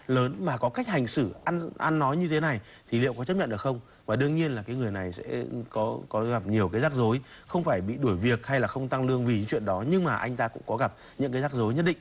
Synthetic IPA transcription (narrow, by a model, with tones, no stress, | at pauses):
ləː˨˦nmaː˨˩kɔ˨˦ka˦˥jk̟̚ha˨˩jŋ̟sɨ˧˩ʔa˧nʔa̰˧nːɔ˨˦jɲɨ˧t̪ʰe˨˦na˨˩j | t̪ʰi˨˩lḭ˧˨wkɔ˨˦t͡ɕə˦˥p̚ɲə̰˧˨nɗɨ˨˩xə˧wŋ͡m | vaː˨˩ɗɨ˧əŋɲi˧ənlaː˨˩kaː˨˦ŋɨ˨˩əjna˨˩jsɛ̰˧˥kɔ˨˦kɔ˨˦ɣa˨˩p̚ɲi˨˩əwkaː˨˦jzaː˦˥k̚zo˨˦j | xə˧wŋ͡mfaː˧˩jɓḭ˧˨ɗu˧˩əjvi˨˩ək̚ha˧jlaː˨˩xə˧wŋ͡mt̪a˧ŋlɨ˧əŋvi˨˩ɲɨ̰˧˥ŋt͡ɕwḭ˧˨ənɗɔ˨˦ɲɨ˧ŋmaː˨˩ʔa˧jŋ̟t̪aː˧kʊ̰˧˥ŋ͡mkɔ˨˦ɣa˨˩p̚ | ɲɨ̰˧˥ŋkaː˨˦zaː˦˥k̚zo˨˦jɲə˦˥t̚ɗḭ˧˨ŋ